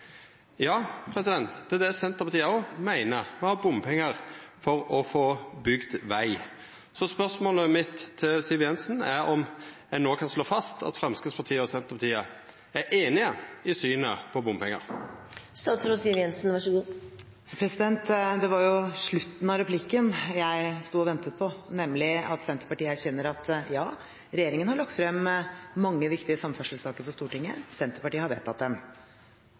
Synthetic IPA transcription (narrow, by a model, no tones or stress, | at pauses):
jɑːpʰɾɛsɪd̪ɛnt̪d̪ʰɪd̪ɛsɛnt̪əɾpɑt̪ʰiːəɔmæɪnəɾmɛhɑːbʊmpʰɛŋːəɾfɔɾɔfoːbʏɡd̪ʋæɪ | sɔspœʂmoːləmɪt̪ʰːɪlsiʋjɛnsnæɾɔm | æɛnoːkʰɑnsloːfɑst̪ʰɑ̰t̪fɾɛmskɪspɑʁt̪ʰiːəɔsɛnt̪əʁpɑt̪ʰiːə | æɾʔeːnɪəɪsyːnə̰pʰɔbʊmpʰɛŋːə̰ɾst̪ɑːt̪sɾosiːʋjɛnsn̩ʋɑʂəɡuː | pʰɾɛsɪd̪ɛnt̪d̪ɛʋɑɾjʊʂɭʉt̪ːn̩ɑɾɛpʰlɪkːənjæɪst̪uːɔʋɛnt̪ət̪̚pʰɔnɛmːlɪɑt̪sɛnt̪əpɑʈiːəæɾçɛnːəɾɑt̪jɑː | ɾɛjeːɾɪŋənhɑɭɑkt̪fɾɛmːmɑŋːəʋɪkt̪ɪəsɑmːfœʂəl̩sɑːkəɾfɔʂt̪uːʈɪŋːəsɛnt̪əɾpɑʈiːəhɑɾʋḛːt̪ʰːɑt̪̚d̪ɛm